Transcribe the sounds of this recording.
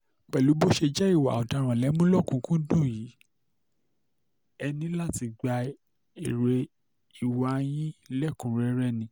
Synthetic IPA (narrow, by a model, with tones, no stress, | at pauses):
k͡pɛ˨lu˨˦bo˦ʃe˧d͡ʒɛ˦i˦˨wa̰˨ɔ˨da˨˦˧ɾ̃ã˨lɛ˨˦mũ˦lɔ˦˨kũ˧˦kũ˦dũ˦˨jiː˨˦ | ɛ˧nĩ˦la˦˨ti˨˧ɡ͡ba˧ | e˨ɾe˧ | i˨wa˨˧˦j̃ĩ˦lɛ˦˨kũ˨˦ɾɛ˧˦ɾɛ˦˨nĩ˧˦